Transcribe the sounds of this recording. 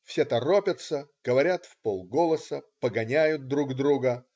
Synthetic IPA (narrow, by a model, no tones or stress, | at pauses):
fsʲet̪ɐro̞pʲət̪səɡ̥əvɐɾʲat̪fpolˠɡo̞lˠəsəpəɡɐnʲæjʊt̪̚d̪ɾuɡd̪ɾuɡə